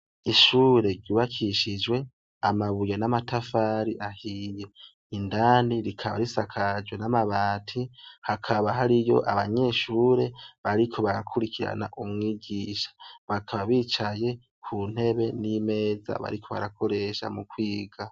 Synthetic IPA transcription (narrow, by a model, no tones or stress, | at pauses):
iʃuːɾe̞ɾɟuːβakʰiʃid͡ʒwe̞ | amaβujanamatafaɾiʔahije | indaːndiɾikʰaβa̰ɾisakʰad͡ʒwenamaβaːtʰihakʰaβaɦaɾijo̞̰ʔaβaɲe̞ʃuːɾe̞βaɾikʰo̞βaɾakʰuɾikʰiɾa̰na̰ʔumŋiːɡiʃḁβakʰaβaβiːt͡ʃaje̞ | kʰun̥e̞βe̞nime̞ːza̰βa̰ɾikʰo̞βa̰ɾakʰo̞ɾe̞ʃa̰mukwiːɡa